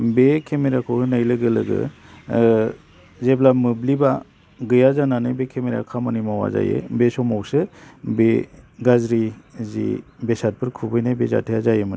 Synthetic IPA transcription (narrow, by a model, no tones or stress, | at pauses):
bekʰemeɾakʰɯhɯnajlɯɡɯlɯɡɯ̰ | zeblamɯbliba | ɡɯjazananajbekʰemeɾa̰kʰamɯnimawa̰za̰jḛbesɔmawsɯbeɡazɾizḭbesat̚pʰɯɾkʰubɯjnajbeza̰tʰɯjazajemɯn